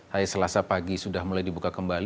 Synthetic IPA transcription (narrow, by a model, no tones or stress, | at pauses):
hajasəlasapaɡisudahmulajdibukakəmbal